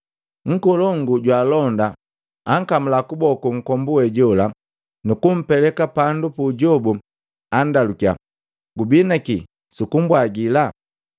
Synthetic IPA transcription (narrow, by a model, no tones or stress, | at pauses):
ŋ̩kɔlɔŋɡuɟwaːlɔnda | aŋkamulakubɔkuŋ̩kɔmbuwɛɟɔla | nukum̩pɛlɛkapandupuɟɔbu | andalukia̰ | ɡubinaki | sukum̩bwaɡila